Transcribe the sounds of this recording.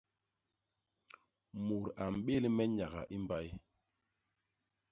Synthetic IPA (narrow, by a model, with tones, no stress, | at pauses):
mu˨ɾa˨m̩˨ɓe˦lmɛ˦ɲa˨ɣa̰˨ʔi˦mba˦j